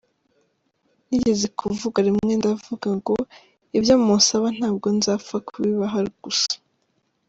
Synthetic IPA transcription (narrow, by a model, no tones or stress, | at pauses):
niɟe̞zekʰuvuɡaɾimŋŋe̞ndavuɡaŋɡo̞ | ibjaːmosaβan̥aːbɡo̞nzafakʰuβiβaɦaɾiɡ̥usḁ